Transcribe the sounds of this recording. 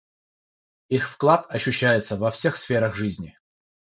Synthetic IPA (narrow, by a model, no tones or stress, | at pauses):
ixfklˠat̪ɐɕːʉɕːæjɪt̪səvɐfsʲe̞xsfʲe̞ɾəɣʐɨzʲnʲɪ